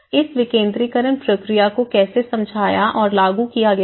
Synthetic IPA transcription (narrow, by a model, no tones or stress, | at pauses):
ɪsʋɪkẽːnd̪ɾikəɾənpɾɐkɾijakokɛːsesɐ̃md͡ʒʱaːjaʔɔːɾlaːɡukijaɡɐja